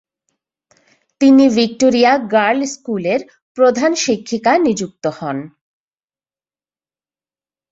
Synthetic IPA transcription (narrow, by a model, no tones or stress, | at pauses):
t̪inivik̚ʈoɾijaɡaɾlskuleɾ | pɾod̪ʱanʃikʰːikanid͡ʑuk̚t̪ohɔn